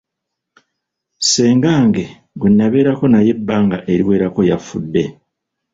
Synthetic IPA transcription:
se̞ːŋɡaːŋɡe̞ | ɡwenːaβe̞ːɾako̞naje̞bːaːŋɡaʔe̞ɾiwe̞ːɾako̞jafudːe̞

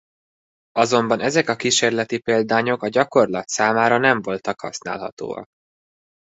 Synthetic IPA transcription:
ɒzo̞mbɒnɛzɛkɒkiʃeːrlɛt̪ipeːld̪aːɲo̞kɒɟɒko̞rlɒt̪saːmaːɾɒnɛɱvo̞lt̪ɒkhɒ̰sna̰ːlɦɒ̰t̪o̰ːɒ̰k̚

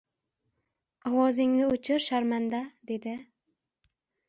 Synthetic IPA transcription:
ɒwɒzɪŋnɪot͡ʃʰɪɾʃaɾmand̪ad̪e̞d̪ɪ

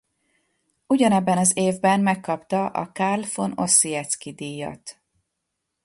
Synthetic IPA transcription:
uɟɒnɛbːɛnɒzeːvbɛmmɛkːɒpt̪ɒʔɒ̰karlfo̞no̞sːiɛt̪skid̪iːjɒ̰t̪

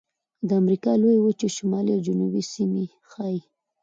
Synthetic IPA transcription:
d̪əamɾikɑlojwət͡ʃeʃamɑliawd͡ʒʊnubisimi | xɑji

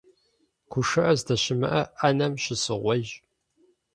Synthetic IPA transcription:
kʷʰʊʂɨʔɐzdɐɕɪmɨ̰ʔɐʔɐnɐmɕɪsɨʁʷɔʒ

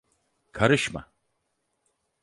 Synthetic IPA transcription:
kʰɐɾɯʃma̰

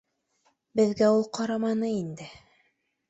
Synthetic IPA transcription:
bɘ̆ðɡæulˠqɑɾɑmɑnɤind̪ɘ

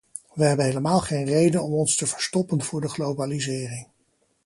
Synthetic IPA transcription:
ʋəɦɛbənɦejləmaːlˠχejnrejdənɔmɔnstəvəɹstɔpənv̥ʊːɹdəχlowbalizɪːrɪŋ

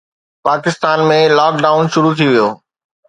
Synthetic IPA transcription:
paːkɪst̪aːnmẽlaːk̚ɖaːʊnʃʊɾut̪ʰiʋijoː

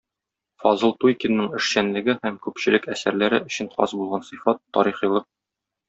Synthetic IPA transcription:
fɒzɤlˠt̪ujkinːɤɴɘ̆ʃɕænlɘ̆ɡɘhæmkʉpɕɘ̆lɘkæsæɾlæɾɘʔɵ̆ɕɘnqɒ̰zbulˠʁɑnsɤ̆fɑt̪ːɒ̰ɾiχĭjlˠɤq̚

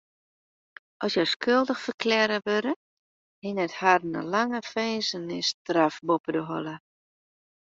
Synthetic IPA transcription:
ʔɔsjɔskʰølˠdəxfərkʰlɛɾəʋøɾə | hɪnɛtharnə̰laŋəfeːzənɪstrafbopədəɦɔlˠə

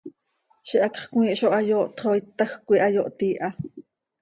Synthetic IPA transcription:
ʃiʔɑkχkwiːʔʃoʔɑjoːʔt̪χoːjt̪ːɑxkʷiʔɑjoːʔt̪iːʔɑ

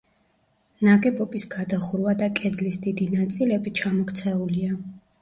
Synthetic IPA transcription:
naɡɛbɔbisɡad̪aχuɾwad̪akʼɛd̪lisd̪id̪inat̪sʼilɛbit͡ʃʰamɔkʰt̪sʰɛulia

